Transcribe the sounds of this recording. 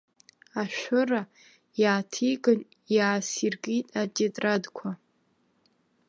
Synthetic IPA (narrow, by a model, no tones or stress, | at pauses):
aʃʷᶣʊra | jaːtʰiɡʼɨn | jaːsirɡitʼad͡ʒetʼradkʷʰa